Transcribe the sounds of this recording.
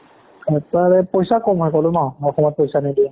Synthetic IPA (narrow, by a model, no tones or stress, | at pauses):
ɛtaɹɛpɔjsakɔmɦɔjkɔlʊnawɔxɔmɔt̚pɔjsanidi